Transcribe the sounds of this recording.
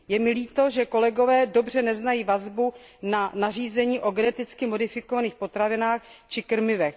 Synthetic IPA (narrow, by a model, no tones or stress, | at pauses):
jɛmɪliːt̪o̞ʒɛko̞lɛɡo̞vɛːdo̞br̝ɛnɛznajiːvazbu | nanar̝iːzɛɲiːʔo̞ɡɛnɛt̪ɪt͡skɪmo̞dɪfɪko̞vaniːxpo̞t̪ɾavɪnaːxt͡ʃɪkr̩mɪvɛx